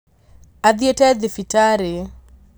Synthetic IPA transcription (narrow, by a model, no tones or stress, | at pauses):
ad̪jotɛd̪ɪfitaɾe